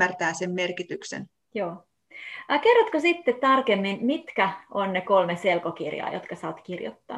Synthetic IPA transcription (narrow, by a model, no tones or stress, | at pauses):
ært̪æːsemmerkit̪yksḛn | joː | kerːot̪kosit̪ːett̪ɑrkemːinmit̪kæʔonnekolmeselkokirjɑ̰ːjo̰t̪kɑsɑːt̪kirjo̰t̪ːɑ̰n